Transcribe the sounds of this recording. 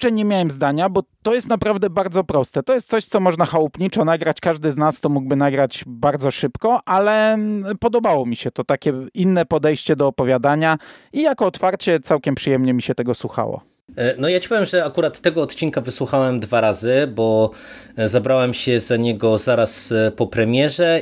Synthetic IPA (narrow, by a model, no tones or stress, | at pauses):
ɛɲemʲjawɛmzd̪aɲabɔt̪ɔjɛst̪napɾavd̪ɛbaɾd̪zɔpɾɔst̪ɛt̪ɔjɛst̪sɔɕt̪sɔmɔʐnaxawupɲit͡ʂɔnaɡɾat͡ɕkaʐd̪ɘznast̪ɔmuɡ̚bɘnaɡɾad͡ʑbaɾd̪zɔʂɘpkɔʔalɛpɔd̪ɔbawɔmʲiɕɛt̪ɔt̪akʲɛinːɛpɔd̪ɛjɕt͡ɕɛd̪ɔːpɔvʲjad̪aɲaijakɔːt̪faɾt͡ɕɛt̪sawkʲɛmpʂɘjɛmɲɛmʲiɕɛt̪ɛɡɔswuxa̰wɔ̰ | nɔjat͡ɕi̥pɔvjɛmʐɛakuɾat̪ːɛɡɔːt̪t͡ɕiŋkavɘswuxawɛmd̪vaɾazɘbɔ | zabɾawɛmɕɛzaɲɛɡɔzaɾaspɔpɾɛmʲjɛʐɛ